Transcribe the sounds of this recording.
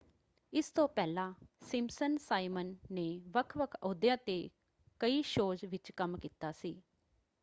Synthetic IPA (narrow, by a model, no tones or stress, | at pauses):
ɪst̪õːpɛːlãːsɪmsənsaːimənːeːʋəkʰʋəkʰoːd̪jãːt̪eː | kəiːʃoːd͡ʒʋɪt͡ʃkəmkiːt̪aːsiː